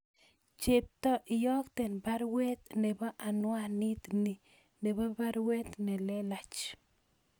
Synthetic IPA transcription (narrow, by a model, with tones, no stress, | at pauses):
t͡ʃe˨p̚t̪o˦ʔi˨jo˦kt̪e˨nba˦ɾwe˦t̪ne˨ba˦ʔa˨nwa˦ni˦t̪ni˨ | ne˨ba˦ba˦ɾwe˦t̪ne˨le˦la˨t͡ʃ